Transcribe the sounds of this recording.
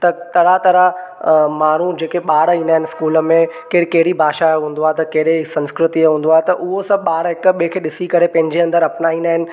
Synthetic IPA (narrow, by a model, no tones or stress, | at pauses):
t̪ɐt̪ɐɾat̪ɐɾamaːɳ̤ud͡ʑeːkeɓaːɽɦĩːnd̪aɦɪ̃nɪ̆skuːlə̆mẽkɪɽkɐɦɪɽibʱaːʃaɦũːn̆d̪oaɦet̪ɐkɐɦɗeɪsɐ̃nskɾɪt̪iɦũːn̆d̪oaːɦet̪ɐʔʊɦosɐ̃bɓaːɽɦɪkɓkʰeːɗɪsikɐɾepɐ̃ɦɪ̃ɲd͡ʑeɐ̃nd̪əɾɐpnaĩːnd̪aːɦɪnɪ̆